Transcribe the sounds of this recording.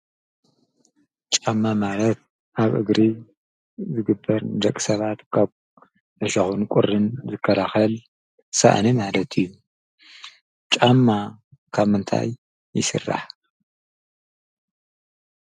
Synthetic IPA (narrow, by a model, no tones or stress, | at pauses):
t͡ʃʼamːamalɐt̪̚ | ʔaβʔɨɡɾi | zɨɡɨbːɐɾd̪ɐkʼisɐβat̪kʰaβ | ʔɐʃɐxunkʷʼʊɾɨnzɨkʰːɐlaxɐl | sa̰ʔnimalɐt̪ʰijːu | t͡ʃʼamːa | kʰaβmɨnt̪ʰa̰jː | ɪsɨ̰rːa̰ħ